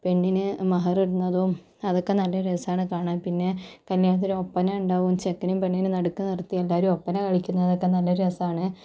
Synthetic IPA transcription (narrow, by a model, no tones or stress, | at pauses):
pe̞ɳːinɨmɐɦɐriɽunːɐðum | ɐðo̞kːe̞nɐlːɐɾesaːɳɨkaːɳaːnpinːe̞kɐljaːɳɐt̪̬ːiɾuopːɐneuɳɖaːʋumt͡ɕekːɐnumpe̞ɳːinɨnɐɽukːɨnirt̪ːijelːaːɾumopːɐnekɐɻikʲːunːɐɐðo̞kːe̞nɐlːɐɾesaːɳɨ